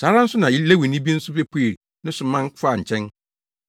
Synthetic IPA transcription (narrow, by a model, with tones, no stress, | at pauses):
saː˨˦ɾã˦n̩˦sʊ˦nã˨ji˦le˦wi˨nĩ˦bi˦n̩˦sʊ˦be˦pʰu˦e˨ɾ | nɪ̃˦sʊ˨˦mã˦ŋ˦kaː˦˨ɲ̩˨t͡ɕʰɛ̃˦n